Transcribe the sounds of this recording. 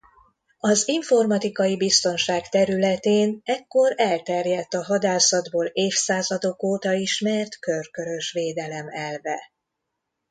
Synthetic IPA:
ɒziɱfo̞rmɒt̪ikɒjibist̪o̞nʃaːkt̪ɛɾylɛt̪eːnɛkːo̞ɾɛlt̪ɛrjɛt̪ːɒɦɒd̪aːsɒd̪boːleːfsaːzɒd̪o̞koːt̪ɒiʃmɛrt̪kø̞rkø̞ɾø̞ʃʋeːd̪ɛlɛmɛlvɛ

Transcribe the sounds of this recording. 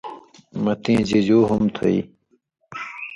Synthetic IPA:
mɐt̪ĩːd͡ʑid͡ʑuːɦumt̪ʰo̰ḭː

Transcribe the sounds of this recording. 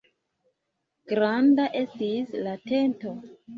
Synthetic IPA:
ɡ̥ɾandaʔe̞stislate̞nto̞

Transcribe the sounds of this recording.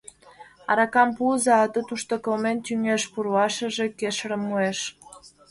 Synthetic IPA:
ɑ̰ɾɑkɑmpuzɑːt̪ə̆t̪uʃt̪okɤlment̪yŋeʃpuɾwɑʃə̆ʒĕkeʃɾə̆mːueʃ

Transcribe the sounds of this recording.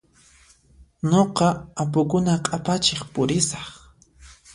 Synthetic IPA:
ɲoqɑap̬ʊkʊnaqʼapat͡ʃeχpʊɾɪsɑ̥χ

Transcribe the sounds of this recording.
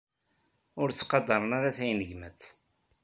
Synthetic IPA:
ʊɾt͡sːqɑd̪ɑɾˤənaɾaθæjnəʝmæt͡sː

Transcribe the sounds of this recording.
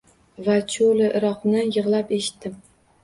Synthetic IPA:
vat͡ʃʰolɪʔɪɾɒqnɪjɨʁlˠapeʃɪ̥t̪ːɪm

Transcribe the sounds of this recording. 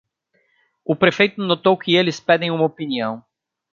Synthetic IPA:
ʊpɾefejt̪ʊnot̪owkɪelɪspɛd̪ẽj̃ũmɐopiniɐ̃w̃

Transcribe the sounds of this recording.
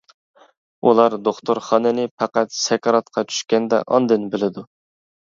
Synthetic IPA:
ulˠɑɾd̪oχt̪ʰoɾχɑnɨnɪpʰɑqæt̪sɛkɑɾɑt̪qʰɑt͡ʃʰy̥ʃkʲɛnd̪ɛ̰ʔɑ̰nd̪ɪnbɪlɪd̪u

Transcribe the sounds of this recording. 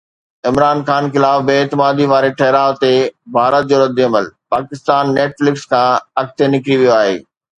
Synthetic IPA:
ɪmɾaːnxaːnxɪlaːfbeːt̪ɪmaːd̪iʋaːɾeʈʰɐɦɪɾaːʋt̪ebʱaːɾət̪̚d͡ʑoːɾɐd̪iɐməlpaːkɪst̪aːnːeːʈflɪkskʰãːɐkt̪ʰenɪkɾiʋijoaːɦḛː

